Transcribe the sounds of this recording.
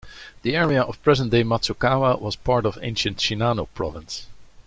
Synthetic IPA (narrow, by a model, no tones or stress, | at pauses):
ðiɛɹiəʔɔv̥pʰɹ̥ɛzə̃nd̥eɪmatsukaməwʌz̥pʰɑɹɾʌvḛ̃ɪ̃nʃɨ̃ntʃinanoʊpʰɹɑ̰və̃ns